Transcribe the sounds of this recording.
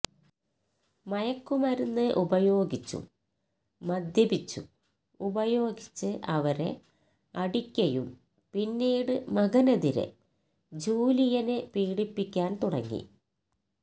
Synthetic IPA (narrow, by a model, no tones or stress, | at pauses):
mɐjɐkːumɐɾunːɨʔubɐjo̞ːɡit͡ɕːṵ | mɐd̪ʱjɐbit͡ɕːṵ | ubɐjo̞ːɡit͡ɕːɨʔɐʋɐɾe̞̰ | ɐɽikʲːɐjum | pinːiːɽɨmɐɡɐnɐðiɾḛ | d͡ʑuːlijɐnepiːɽipːikʲːaːnt̪uɽɐ̰ŋːḭ